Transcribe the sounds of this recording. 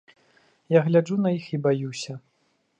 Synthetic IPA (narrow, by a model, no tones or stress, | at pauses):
jaɣlʲad͡ʐunɐjixibajusʲɐ